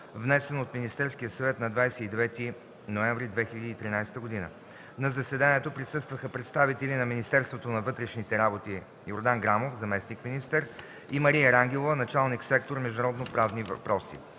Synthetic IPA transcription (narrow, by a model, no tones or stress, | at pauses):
vnɛsɛnot̪minist̪ɛɾsk̟ijəsɐvɛt̪nɐd̪vajsɛid̪ɛvɛt̪i | noɛ̃ɱvɾid̪vɛxilʲɐd̪iːt̪ɾinajst̪əɡod̪inə̰ | nɐzɐsɛd̪aniɛt̪opɾisɤst̪vəxəpɾɛt̪st̪avit̪ɛlinɐminist̪ɛɾst̪vot̪onɐvɤt̪ɾɛʃnit̪ɛɾabot̪i | joɾd̪aŋɡɾamofzɐmɛsnikminist̪əɾ | imɐɾijəɾaŋɡ̟ɛlˠovənɐt͡ʃalˠniksɛk̚t̪oɾmɛʒd̪ʊnɐɾɔd̪nopɾavnivɐ̰pɾɔsḭ